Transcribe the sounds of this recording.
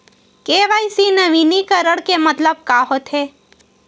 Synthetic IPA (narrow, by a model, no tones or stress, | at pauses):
keːʋaːisinɐʋiːnikɐɾəɽkemɐt̪ləb̚kaːɦot̪ɦeː